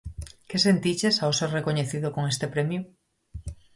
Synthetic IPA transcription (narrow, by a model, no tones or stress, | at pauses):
kesent̪it͡ʃesawseɾrekoɲeθiðokoŋest̪epɾemju